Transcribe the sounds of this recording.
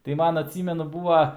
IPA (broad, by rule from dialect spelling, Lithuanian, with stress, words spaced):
tɐɪ ˈmɐn ɐtʲˈsʲiːmʲɛnʊ ˈbuːʋɐ